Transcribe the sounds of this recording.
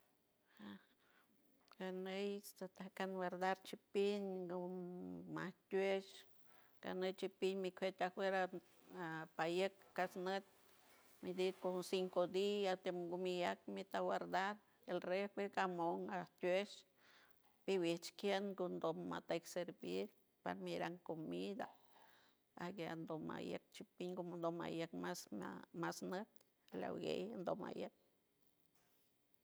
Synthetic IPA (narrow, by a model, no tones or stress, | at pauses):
ha | ɡanəjst̪at̪ahkanwaɾd̪aɾt͡ʃipiɲɡumaht̪ʲwet͡ʃ | ɡ̥a̰nəjt͡ʃipiɲmikʷʰet̪ʲahweɾa | apajəkːasnət̪̚ʲ | mid̪it̪konsiŋkod̪iat̪emɡumijak̚mit̪awaɾd̪aɾ | elrepeɡamoŋaht̪ʲweʃ | piwiht͡ʃkjenɡond̪omma̰t̪ajkseɾbiɾ | pa̰ɾmiɾaŋkomid̪a | aɡeand̪oma̰jə̰k̚t͡ʃipiŋɡomnd̪oma̰jək̚masmasnət̪̚ | la̰wɡḛjnd̪oma̰jək̚